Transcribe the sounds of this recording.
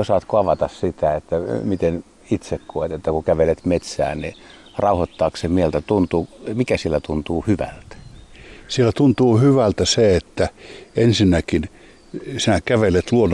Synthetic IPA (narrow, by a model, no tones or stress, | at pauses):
osɑːt̪koɑʋɑt̪ɑssit̪æet̪ːæmit̪en | it̪sekkoet̪et̪ːækukæʋelet̪met̪sæ̰ːnnirɑuhot̪ːɑːksemmielt̪æt̪unt̪uːmikæsielːæt̪unt̪uːhyʋæ̰lt̪æ̥sielːæt̪unt̪uːhyʋælt̪æseet̪ːæensinːækin | sinækæʋelet̪luon